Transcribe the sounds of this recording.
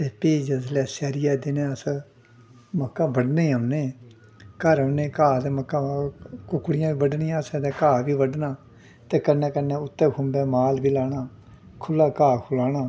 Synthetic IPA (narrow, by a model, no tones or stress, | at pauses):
t̪eːpieːd͡ʒəzlɛːsɛːɾɪjaːd̪ɪnẽːəs | məkːãːbəɖneːəʋneː | kəɾəʋneːkaːd̪eːməkːãːkʊkːɽɪjãːbiːbəɖniːjãːsɛ̃ːd̪eːkaːʋiːʋəɖnaː | t̪eːkənːɛ̃ːkənːɛ̃ːʊt̪ːɛːkʰʊ̃mbɛːmaːlbiːlaːnaː | kʰʊlːaːkaːkʰʊlaːnaː